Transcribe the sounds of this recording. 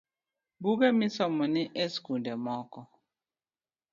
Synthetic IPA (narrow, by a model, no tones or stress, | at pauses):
buɡɛmɪsɔmɔnɪʔeskundɛmɔkɔ